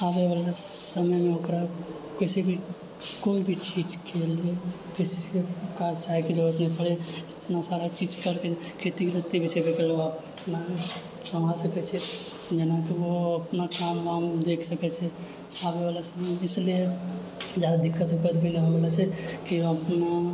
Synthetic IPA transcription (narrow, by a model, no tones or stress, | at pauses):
aːbeʋalasəməjmẽokɾa | kɪsibʱi | koibʱit͡ʃiːd͡ʒkelie | kɪsekaɾsajkid͡ʒəɾət̪nɛpəɽeɪt̪nasaɾat͡ʃid͡ʒkəɾkekʰet̪ikɾəst̪ibʱisʰebekeleap | na | səmalsəkɛt͡ʃʰɛ | d͡ʒenakiʋoəpnakaməmd̪ekʰsəkɛt͡ʃʰɛ | abeʋalasəməjɪslie | d͡ʒjad̪ad̪ɪkʰːət̪ɦokət̪bileʋabalat͡ʃʰɛkiəpna